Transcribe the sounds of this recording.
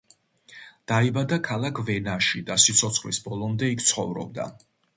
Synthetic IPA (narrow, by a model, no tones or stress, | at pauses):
d̪̥aibad̪akʰalˠakʰvɛnaʃid̪asit̪sʰɔt̪sʰχlisbɔlˠɔmd̪ɛikʰt̪sʰχɔvɾɔ̰b̚d̪a̰